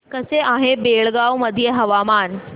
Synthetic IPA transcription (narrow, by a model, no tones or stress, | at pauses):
kəseʔaɦebeɭɡawməd̪ʱijeɦəʋamaːn